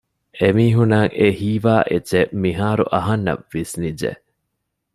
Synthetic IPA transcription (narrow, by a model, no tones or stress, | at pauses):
emiːɦunaːŋʔehiːʋaːʔet͡ʃːemiɦaːɾṵʔɐɦɐnːɐ̰ʋːisnid͡ʒḛ